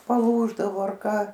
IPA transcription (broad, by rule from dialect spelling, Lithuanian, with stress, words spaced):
pɐˈlˠuːʒdɐʋoː ɐr ˈkɐ